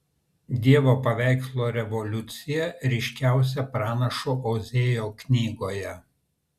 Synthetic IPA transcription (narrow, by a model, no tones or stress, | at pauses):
d̪ʲiɛʋoːpɐʋʲæˑɪkslˠoːɾʲɛʋɔlʲʊt̪sʲɪjɛɾʲɛɪʃʲkʲæˑʊs̬ʲɛpɾɑːnɐʃoʔɔʊzʲejoːknʲiːɡoːjɛ